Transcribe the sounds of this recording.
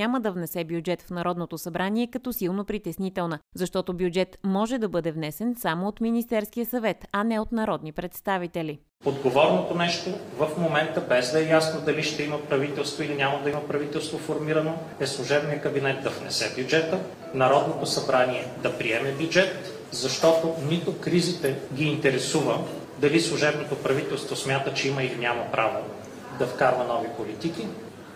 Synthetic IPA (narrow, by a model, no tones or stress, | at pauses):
aməd̪ɐvnɛsɛbjud͡ʒɛt̪fnɐɾɔd̪not̪osɐbɾaniɛkɐt̪ɔsilˠnopɾit̪ɛsnit̪ɛlˠnəzɐʃt̪ɔt̪objud͡ʒɛt̪mɔʒɛd̪ɐbɤd̪ɛvnɛsɛnsamoot̪minist̪ɛɾskijəsɐvɛt̪ɐnɛot̪nɐɾɔd̪nipɾɛt̪st̪avit̪ɛli | od̪ɡovɔɾnot̪onɛʃt̪ovəfmomɛnt̪əbɛzd̪ɐɛjasnod̪ɐliʃt̪ɛiməpɾɐvit̪ɛlˠst̪voilinʲaməd̪ɐiməpɾɐvit̪ɛlˠst̪vofoɾmiɾəno | ɛslˠʊʒɛbnijəkɐbinɛt̪̚d̪ɐvnɛ̰sɛbʲjud͡ʒɛt̪ə | nɐɾɔd̪not̪osɐbɾaniɛd̪ɐpɾiɛmɛbʲjud͡ʒɛt̪ | zɐʃt̪ɔt̪onit̪okɾizit̪ɛɡʲiːnt̪ɛɾɛsuvə | d̪ɐlislˠʊʒɛbnot̪opɾɐvit̪ɛlˠst̪vosmʲjat̪ət͡ʃɛiməilinʲamɐpɾʔavo | d̪ɐfkaɾvɐnɔvipolit̪iki